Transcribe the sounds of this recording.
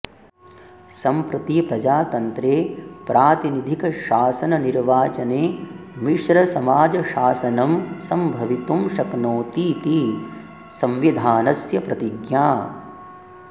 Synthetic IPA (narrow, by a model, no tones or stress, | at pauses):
sɐmpɾɐt̪ipɾɐd͡ʒaːt̪ɐnt̪ɾeːpɾʔaːt̪inid̪ʱikɐʃaːsɐnɐniɾʋaːt͡ʃɐneːmiʃɾɐsɐmaːd͡ʒɐʃaːsɐnɐmsɐmbʱɐʋit̪umʃɐknoːt̪iːt̪i | sɐ̃mʋid̪ʱaːnɐsjɐpɾɐt̪iɡjaː